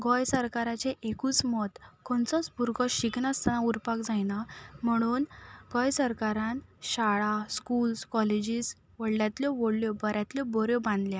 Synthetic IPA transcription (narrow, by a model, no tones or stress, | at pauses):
ɡɔjsəɾkaɾat͡ɕeʔekuːt͡smɔt̪kɔɳt͡sɔt͡sbʱuɾɡɔɕiknast̪anauɾpakd͡zajnam̤əɽ̃uːnɡɔjsəɾkaɾãnɕaɭaskulskɔled͡ʑis | ʋəɽljat̪ljɔʋəɽljɔbəɾjat̪ljɔbɔɾjɔbãnd̪lja